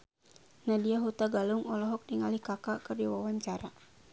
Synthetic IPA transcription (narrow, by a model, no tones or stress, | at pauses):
nadiaɦut̪aɡaluŋɔlɔɦɔk̚niŋalihkakakɨrdiwawaɲt͡ʃaɾa